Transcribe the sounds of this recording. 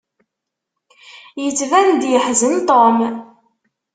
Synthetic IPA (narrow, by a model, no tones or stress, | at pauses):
jət͡sːvænd̪jəħzənt̪ˤom